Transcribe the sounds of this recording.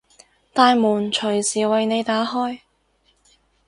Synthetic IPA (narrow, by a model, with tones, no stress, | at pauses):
t̪aː˨˧jmuː˨˩nt͡ʃʰɵ˨˩ɥsiː˨˩wɐ˨jne˨˧jt̪aː˨˥ɦɔː˥j